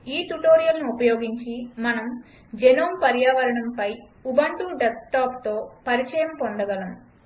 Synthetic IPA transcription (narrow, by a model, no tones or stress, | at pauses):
iːʈuʈoːɾijɐlniupɐjoːɡiɲt͡ʃimɐnɐm | d͡ʒenoːmpɐɾjaːʋɐɾɐɳɐmpɐj | ubɐɳʈuɖesʈaːpt̪o̞ːpɐɾit͡ʃɐjɐmpoɳɖ̪ɐɡɐlɐm